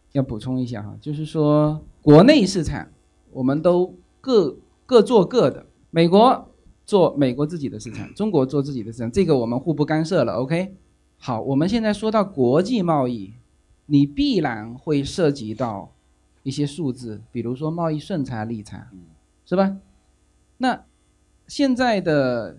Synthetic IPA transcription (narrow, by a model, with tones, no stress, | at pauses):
jɑ˥˩ʊpu˨˩ʈ͡ʂʰʊ˥ŋi˥˧ɕ̬ja̰˥˩xɑ̰˥˩t͡ɕjo˥˧ʊʂ̬ɻ̩˥˩ʂwɔ˥kwɔ˧˥ne˥˧ɪʂɻ̩˥˩ʈ͡ʂʰa̰˨˩˦ŋ | wʔɔ˨˩mə˧˦nt̪o˥ʊ | kɤ˥˧ | kɤ˥˧t͡swɔ˥˧kɤ˥˩d̪ə̰˩ | me˨˩ɪkwɔ˧˥ | t͡swɔ˥˩me˨˩ɪkwɔ˧˥t͡sɹ̩˥˩t͡ɕi˨˩d̪ə˦ʂɻ̩˥˩ʈ͡ʂʰa̰˨˩ŋʈ͡ʂʊ˥ŋkwɔ˧˥t͡swɔ˥˧t͡sɹ̩˥˩t͡ɕi˨˩d̪ə˦ʂɻ̩ʰ˥˩a˨˩˧ʈ͡ʂɤ˥˩ɡə˩wɔ˨˩mə˦nxu˥˧pu˥˩ka˥nʂɤ˥˩lə̰˨˩ʔo˥ʊkʰe˥ɪ | xɑ˨˩ʊwɔ˨˩mə˦nɕ̬jɛ˥˧nt͡sa˥˩ɪʂwɔ˥t̪ɑ˥˩ʊkwɔ˧˥t͡ɕi˥˧mɑ˥˧ʊi˥˩ | ni˨˩pi˥˩la˧˩˥nxwe˥˧ɪʂɤ˥˩t͡ɕi˧˥t̪ɑ˥˩ʊ | i˥˩ɕjɛ˥ʂu˥˧t͡sɹ̩˥˩pi˨˩ɻu˧˥ʂ̬wɔ˥mɑ˥˧ʊi˥˧ʂwə˥˩nt͡sʰa˧˥li˥˩t͡sʰa̰˨˩˦ŋ | ʂɻ̩˥˩bɐ˨˩ | na˥˧ | ɕjɛ˥˧nt͡sa˥˩ɪd̪ə˩